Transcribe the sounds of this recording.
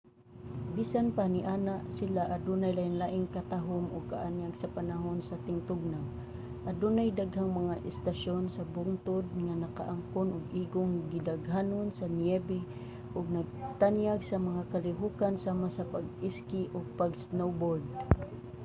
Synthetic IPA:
bisanpanɪʔanaʔsɪlaʔad̪unajlajanlaʔɪŋkat̪aɦʊmʔʊɡ̚kaʔanjaɡsapanaɦonsat̪ɪŋt̪ʊɡ̚naŋ | ʔad̪unajd̪aɡɦaŋmaŋaʔɪst̪aʃonsabʊŋt̪ʊd̪̚ŋanaka̰ʔaŋkʊnʊɡʔiːɡʊŋɡɪd̪aɡɦanonsanjɛbɪ | ʔʊɡ̚naɡ̚t̪anjaɡsɐmaŋakalɪɦukansaːmasapaɡ̚ɪskɪʔʊɡ̚paɡsnowbold̪̚

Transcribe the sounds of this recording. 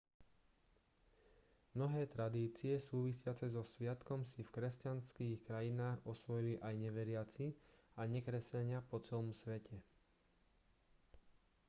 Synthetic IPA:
mnɔɦɛːt̪ɾad̪iːt͡siɛsuːʋisɪat͡sɛzɔsʋɪat̪kɔmsifkɾɛscanskiːxkɾajinaːɣɔsʋɔjiliʔajɲɛʋɛɾɪat͡siaɲɛkɾɛsaɲɪapɔt͡sɛlɔmsʋɛcʰɛ

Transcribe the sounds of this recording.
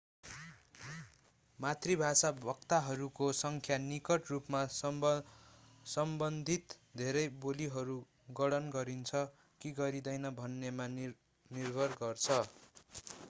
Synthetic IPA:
mat̪ribʱasabʱʌkt̪aɦʌɾukosʌŋkʰjanikʌʈrupma | sʌmbʌnd̪ʱit̪d̪ʱeɾʌjboliɦʌɾu | ɡʌɽʌnɡʌɾint͡sʰʌ | kiɡʌɾid̪ʌjnʌbʱʌnːema | nirbʱʌrɡʌrt͡sʰʌ

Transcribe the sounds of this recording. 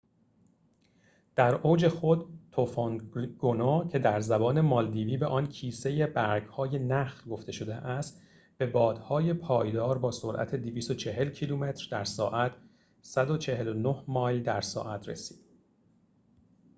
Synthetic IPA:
d̪̥æɾoːd͡ʒe̞xod̪t̪ʰofonɡ̥onɒːcʰe̞d̪æɾzæbɒːne̞mɒld̪iːviːbeʔɒːncʰiːse̞je̞bæɾɡhɒːje̞næxlɡo̞ft̪e̞ʃo̞d̪eʔæst̪ | b̥e̞bɒːd̪̥hɒːje̞pʰɒːjd̪ɒːɾbɒːso̞ɾʔæ̰t̪ʰe̞d̪iviːst̪ot͡ʃʰe̞ɦe̞lcʰilume̞t̪ʰɾd̪æɾsɒ̰ːʔæt̪ʰ | sæd̪o̞t͡ʃʰe̞ɦe̞lonohmɒːld̪æɾsɒ̰ːʔæt̪ʰɾe̞̰si̥ːd̪̥

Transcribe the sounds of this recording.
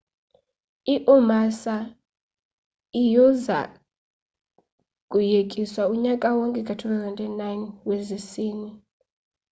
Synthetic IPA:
iʔumasa | ijɔza̰ | kʼujekʼiswauɲakʼawɔŋkʼɛkʼatʰuθʰazɛntɛnajnwezisiːni

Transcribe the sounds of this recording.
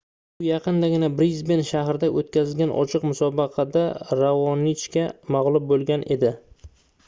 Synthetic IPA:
ʊjɑqɨnd̪aɡʲɪnabɾizbenʃahɾɪd̪aʔot̪kʲʰazɪlɡʲanʔɒ̰t͡ʃʰɨqmʊsɒbɑqʰɑd̪aɾavɒnɪt͡ʃkʲamaʁlˠʊp̚bolˠɡʲanʔe̞d̪ɪ

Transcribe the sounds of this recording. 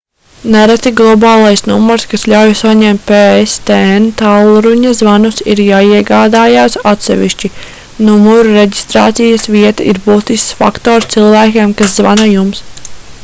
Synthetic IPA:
nɛɾat̪iɡlˠɔbɑːlˠajsnumɔɾskasʎʲawjsaɲɛmt̪̚ʲpeːest̪ɛent̪awlˠɾuɲɐzvanusiɾjaːiɛɡaːd̪aːjaːsat̪sɛ̰ʋḭʃt͡ʃi | numɔɾuɾeɟist̪ɾa̰ːt̪sijɐsviɛt̪aʔiɾbuːt̪isksfa̰kt̪ɔːɾst̪silˠvæːkʲeːmkaszvanajums

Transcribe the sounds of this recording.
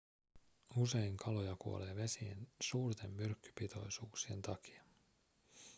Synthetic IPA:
use̞iŋkʰɑlo̞jɑkuole̞ːʋe̞siḛnsuːrt̪e̞mːyrkːy̥pit̪ʰo̞̰jsuːksie̞nt̪ɑki̥ɑ

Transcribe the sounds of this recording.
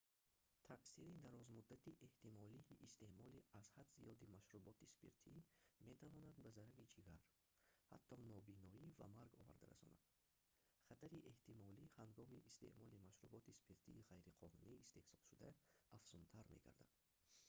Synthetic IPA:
t̪ʰaʔsiɾid̪aɾɔzmud̪ːat̪iʔe̞ht̪imɔliʔːst̪e̞mɔliaz̥had̪zḭjɔd̪imaʃɾubɔt̪ispḛɾt̪ʰimet̪ʰavɔnad̪bazaɾavit͡ʃʰiɡaɾ | ha̰t̪ʰːɔnɔbinɔiva̰maɾɡɔ̰va̰ɾd̪a̰ɾa̰sɔ̰na̰d̪ | χat̪ʰaɾiʔe̞ht̪ʰimɔlihaŋɡɔmiʔist̪e̞̰ʔmɔlimaʃɾubɔt̪ispʰeɾt̪ʰḭːʁajɾiqʰɔnuniːst̪e̞hsɔ̥lʃud̪aafz̥unt̪ʰaɾme̞̰ɡʰa̰ɾd̪a̰d̪̥

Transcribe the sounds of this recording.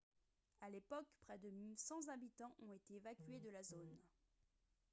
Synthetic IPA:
alepɔkpχɛd̪əmilsɑ̃zabit̪ɑ̃ʔɔ̃et̪eːvakʲɥed̪əlazon

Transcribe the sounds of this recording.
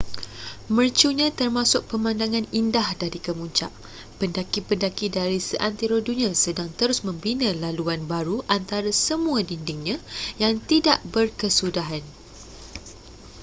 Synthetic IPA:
mərt͡ʃuɲãt̪ərmãsʊk̚pəmãndaŋãnindahdaɾikəmuɲt͡ʃa̰ʔ | pəndakipəndakidaɾisəʔant̪iɾodunĩãsədaŋt̪əɾʊsmə̃mbinãlaluanbaɾuʔant̪aɾasəmũadindɪŋɲãjaŋt̪idaʔbərkəsudaɦan

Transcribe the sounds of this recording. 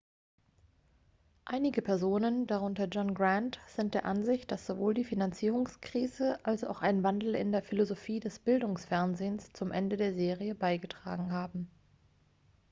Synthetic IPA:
ʔaɪnɪɡəpʰɛɐzoːnəndaʁ̞ʊntɐd͡ʒɔnɡʁantz̥ɪnt̚d̥eːɐʔanzɪçt̚d̥asz̥ovoːldiːfinant͡siːʁ̞ʊŋskʁ̥iːzəʔalsa̰ʊxʔaɪnvandl̩ɪ̰ndeːɐfilozofiːdɛsb̥ɪldʊŋsfɛɐnzeːnst͡sʊmʔɛ̰ndədeːɐzeːʁiəbaɪɡətʁ̥a̰ːɡŋ̩ɦaːbm̩

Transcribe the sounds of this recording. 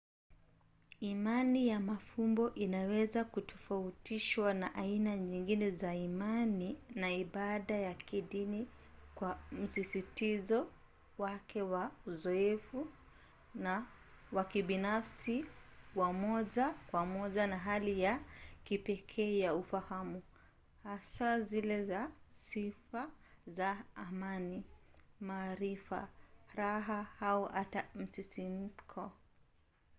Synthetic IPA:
imanijamafumbɔʔinawɛzakutʰɔ̥fautiʃwanaʔainaɲiŋɡinɛzaimaninaiɓaɗajakiɗini | kwam̩sisitizɔ | wakʰɛwauzɔɛfu | na | wakiɓinafsiwamɔʄakwamɔʄanaɦalijakipɛkʰɛːjaufahamu | hasazilɛzasifa | zaːmani | maːɾifa̰ɾaɦahauʔatam̩sisim̩kʰɔ

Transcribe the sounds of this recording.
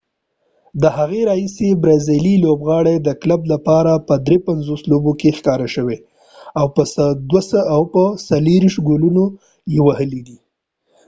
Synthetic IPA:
d̪əhaɣeɾɑhisebɾɑzililobɣɑɽed̪əklablapɑɾapəd̪ɾepanzoslobokexkɑɾaʃəwe | awpəsd̪wasawpəsaleɾiʃɡoluno | jewahəlid̪i

